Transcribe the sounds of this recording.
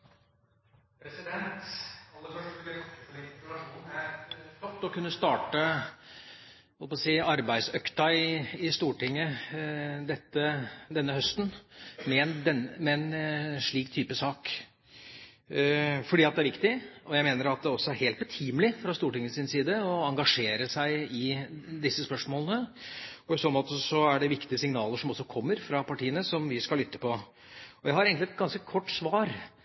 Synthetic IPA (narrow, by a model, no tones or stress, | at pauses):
pʰɾɛsɪd̪ɛnt̪ɑlːəfœʂʈəɪɔɾɪɾɑʂuːnæɾfɔt̪ːɔkʉnːəst̪ɑːʈə | hɔlpɑsiːɑɾbæɪd̪sœkt̪ɑɪɪst̪uːʈɪŋːə | d̪ɛt̪ːəd̪ɛnːəhœst̪nmɛɛnd̪ɛnmɛɛnʂɭiːkt̪ʰːyːpəsɑːk | fɔɖiːɑt̪̚d̪ɛæɾʋɪkt̪ɪɔjæɪmeːnəɾɑt̪̚d̪ɛɔsːɔæɾheːlt̪bɛt̪ʰiːmlɪfɾɑst̪uːʈɪŋːəsɪnsiːd̪əɔɑŋɡɑʂeːɾəsæɪɪd̪ɪsːəspœʂmoːlənəɔɪsoːnmoːt̪əsɔæɖɛʋɪkt̪ɪəsɪŋnɑːləʂɔmɔsːɔkʰɔmːəɾfɾɑpɑʈiːənəsɔmʋɪskɑlʏt̪ːə̥pɔ | ɔjæɪhɑɾeːɡŋk̪lɪɛt̪̚ɡɑnskəkʰɔʈːsʋɑːɾ